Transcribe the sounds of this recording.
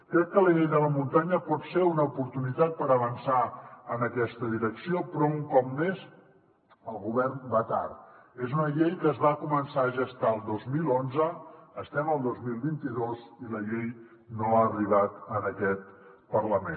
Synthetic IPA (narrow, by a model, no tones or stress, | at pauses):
kɾɛkːələʎejðələmunt̪aɲəpɔt̪seunəupuɾt̪unit̪at̪̚pəɾəβ̞ənsaənəkɛst̪əðiɾəksiopɾɔuŋkɔp̚mez | əlˠɣuβɛrnbat̪a̰ɾezunəʎejkəːzβakumənsaəʒəst̪aəlˠd̪ozmilonzəːst̪ɛməlˠd̪ozmilˠβint̪iðoziləʎej | noaːriβ̞at̪ənəkɛt̪̚pərləmen